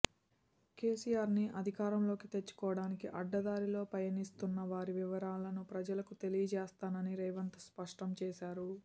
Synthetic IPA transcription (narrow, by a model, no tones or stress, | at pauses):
ke̞ːsijaːɾniʔɐd̪ʱikaːɾɐmlo̞ːkit̪e̞t͡ʃːu̥kɔːʋɐɽaːnikiʔɐɖːɐd̪aːɾilo̞ːpɾɐjɐnist̪unːɐʋaːɾiʋiʋɐɾaːlɐnupɾɐd͡ʒɐlɐkut̪e̞lijɐd͡ʒɛːst̪aːnɐniɾɐjʋɐnt̪ɐ̥spɐʂʈɐmt͡ʃɛːʃaːɾu